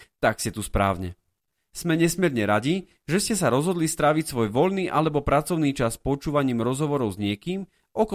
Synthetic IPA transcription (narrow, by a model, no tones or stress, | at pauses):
t̪akscɛt̪uspɾa̰ːʊɲɛ | smɛɲɛsmɛɾɲɛɾaɟi | ʒɛscɛs̬aɾɔzɦɔd̪list̪ɾaʋicsʋɔjʋɔʎniːʔalɛbɔpɾat͡sɔʊniːt͡ʃaspɔt͡ʃuːʋaɲiːmɾɔzɦɔʋɔɾɔʊzɲɪɛkiːm | ʔɔkɔ